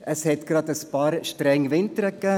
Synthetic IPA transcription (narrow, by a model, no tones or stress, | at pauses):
əshɛtɡ̥ɾɑd̪əspɑːɾʃtɾɛŋvɪnt̪əɾəkːɛː